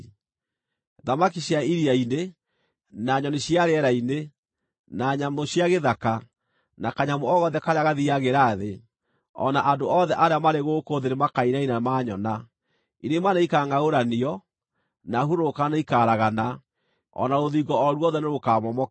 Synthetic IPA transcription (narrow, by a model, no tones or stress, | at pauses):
ðamakiɕjaiɾiaine | naɲɔneɕjaɾeɛɾaine | naɲamoɕjaɣeðaka | nakaɲamoɔɣɔðɛkaɾjaɣaðiaɣeɾaːðe | ɔ̰naʔandoɔðɛʔaɾeamaɾeɣoːkoðeɾemakaiɾainamaɲɔna | inemanaikaːŋaoɾaniɔ | naɦuɾokanaikaɾaɣana | ɔ̰naɾoðiɡɔɔɾwɔðɛneɾokamɔmɔ